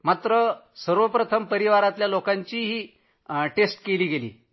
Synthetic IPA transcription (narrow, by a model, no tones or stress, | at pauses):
mat̪ɾəsəɾʋəpɾət̪ʰəmpəɾiʋaɾat̪ljalokaɲt͡ɕiːɦiː | ʈesʈkeliːɡelḭː